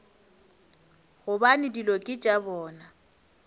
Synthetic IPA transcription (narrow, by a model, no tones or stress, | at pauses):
ɣʊbanɪdilokʼɪt͡ʃʼabɔːna